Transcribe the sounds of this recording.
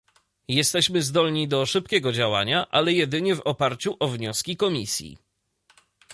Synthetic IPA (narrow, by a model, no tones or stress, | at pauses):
jɛst̪ɛɕmɘzd̪ɔlɲid̪ɔʂɘpkʲɛɡɔd͡ʑawaɲaʔalɛjɛd̪ɘɲɛvɔpaɾt͡ɕuʔɔvɲɔskʲikɔmʲisʲjḭ